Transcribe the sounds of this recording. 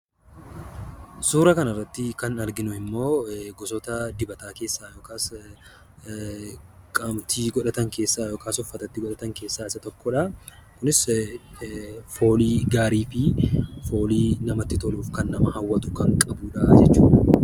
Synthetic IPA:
suːɾɐkɐnɐrːɐt̪ːɪkɐnɐɾɡɪnʊɪmːo̞ːɡɔsɔt̪ɐd̪ɪbɐt̪aːke̞ːsːaːjoːkaːs | kʼɐmt̪iːɡɔᶑɐt̪ɐŋke̞ːsːaːjoːkʰaːsɔfːɐt̪ɐt̪ːɪɡɔᶑɐt̪ɐŋke̞ːsːaːɪsɐt̪ɔkːɔᶑɐkʊnɪs | fo̞ːliːɡaːɾiːfɪfo̞ːliːnɐmɐt̪ːɪt̪ɔluːfkɐnːɐmɐhɐwːɐt̪ʊ̥kɐŋkʼɐbuːᶑɐʔɐd͡ʒɛt͡ʃːuːᶑɐ

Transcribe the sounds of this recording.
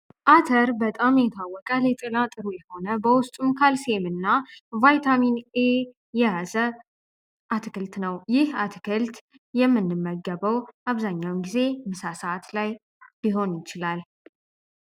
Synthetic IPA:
ʔat̪ʰəɾbət̪ʼamjɛt̪ʰawːɔkʼəlɛt̪ʼɨlat̪ʼɨɾujɛho̞nəbəwʊst̪ʼumkʰalsemɨnːavajt̪ʰamine | jɛjazə | ʔat̪ʰɨkɨlt̪nəwjɪhat̪ʰɨ̥kʰɨlt̪ | jɛmːɨnːɨmːəɡəβəwʔaβzaɲːawnɡize̞mɨsasəaat̪laj | biɦo̞njɪt͡ʃɪlal

